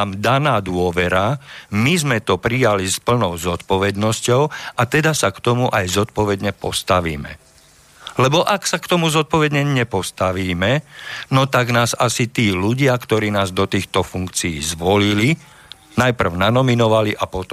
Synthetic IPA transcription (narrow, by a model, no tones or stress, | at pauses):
md̪anaːd̪ʊɔʋɛɾamizmɛt̪ɔpɾijalispl̩nɔʊzɔt̪pɔʋɛd̪nɔscɔʊat̪ɛd̪asakt̪ɔmuʔajzɔt̪̚pɔʋɛd̪ɲɛpɔst̪aʋḭːmɛ̰ | lɛbɔʔaksakt̪ɔmuzɔt̪̚pɔʋɛd̪ɲɛɲɛpɔst̪aʋiːmɛnɔt̪aɡnaːzasit̪iːluɟɪakt̪ɔɾiːnaːzd̪ɔt̪iːxt̪ɔfuŋkt͡siːzʋɔlili | najpr̩ʊnanɔminɔʋaliʔapɔt̪ɔ